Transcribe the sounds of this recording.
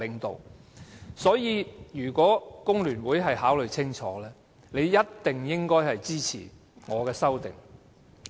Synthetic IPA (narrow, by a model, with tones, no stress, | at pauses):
lɪ˨ŋt̪o̰˨w | sɔː˨˥jiː˨˧jyː˨˩kʷɔː˨˥kʊ˥ŋlyː˨˩nwuː˨˥jɦɐ˨jɦaː˨˥wlɵ˨˧jt͡sʰɪ˥ŋt͡ʃʰɔ̰ː˨˥lɛː˥ | ne˨˧jːɐ˥tt̪ɪ˨˩ŋjɪ˥ŋkɔː˥jhɐ˨jt͡siː˥t͡sʰiː˨˩ | ŋɔː˨˧kɛː˧sɐ˥wt̪ɪ̰˨ŋ